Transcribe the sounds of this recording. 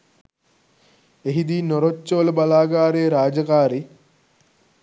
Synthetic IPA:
eɦid̪iːnoɾot͡ʃːoʋləbalaːɡaːɾejəɾaːd͡ʒɐkaːɾi

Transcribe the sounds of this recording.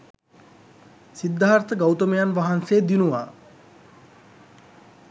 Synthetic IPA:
sid̪ʱːaaɾt̪əɡawt̪əmejanʋaɦanseːd̪inuʋa̰ː

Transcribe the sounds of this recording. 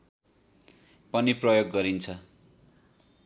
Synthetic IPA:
pʌniprʌjoɡːʌɾint͡sʰʌ

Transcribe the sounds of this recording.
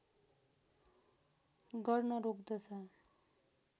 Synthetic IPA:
ɡʌrnʌɾokd̪ʌt͡sʰʌ

